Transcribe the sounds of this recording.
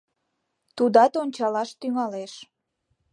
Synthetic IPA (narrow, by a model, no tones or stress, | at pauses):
t̪ud̪ɑt̪onʲt͡ɕɑlɑʃt̪yŋɑleʃ